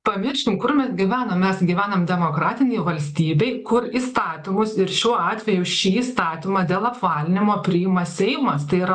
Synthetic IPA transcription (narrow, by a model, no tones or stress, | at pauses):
pɐmʲɪɾʲʃʲkʲɪmkʊɾmʲɛsɡʲiʋʲæːnoːmʲɛsɡʲiːʋʲæːnɐmd̪ʲɛmoːkɾɑːt̪ʲɪnʲɛɪʋɐlʲsʲt̪ʲiːbʲɛɪkʊɾiːst̪ɑːt̪ʲɪmʊsɪɾʃʲuɔɑːt̪ʲʋʲɛjʊʃʲiːiːst̪ɑːt̪ʲɪmɐd̪ʲeːlˠɐpʋɑːlʲɪnʲɪmoːpʲɾʲɪɪmɐsʲɛɪmɐst̪ɐɪiɾɐ